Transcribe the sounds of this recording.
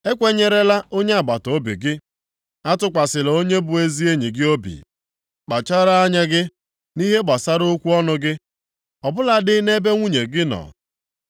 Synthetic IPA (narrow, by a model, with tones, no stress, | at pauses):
e˦kʷe˦ɲe˨ɾe˦la˦o˦ɲe˦a˨ɡ͡ba˨to˨˦bḭ˨ɡɪ˦ | a˦tʊ˦kʷa˨sɪ˨lo˦ɲe˦bʊ˨e˦zi˦e˦ɲi˨ɡɪ˦o˦bḭ˨ | k͡pa˨t͡ʃa˦ɾa˦a˦ɲa˦ɡɪ˦ | ni˦ɦe˦ɡ͡ba˨sa˦ɾʊ˦kʷu˦ɔ˦nʊ˦ɡɪ˦ | ɔ˨bʊ˦la˨dɪ˦ne˦be˦ŋʷu˦ɲe˨ɡɪ˦nɔ̰˨